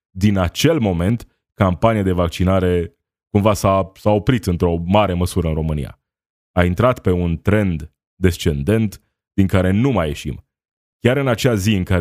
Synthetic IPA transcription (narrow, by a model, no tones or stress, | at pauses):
d̪inat͡ʃe̞lmo̞me̞nt̪ | kampanijad̪e̞vakt͡ʃinaɾe̞ | kumvasasao̞pɾit̪ɨnt̪ɾo̞maɾe̞məsuɾəɨnro̞mɨnḭja̰ | aint̪ɾat̪pe̞unt̪ɾe̞nd̪ː | e̞st͡ʃe̞nd̪e̞nt̪ | d̪̥iŋkaɾe̞numaje̞ʃḭm | kʲaɾɨnat͡ʃeaziɨŋka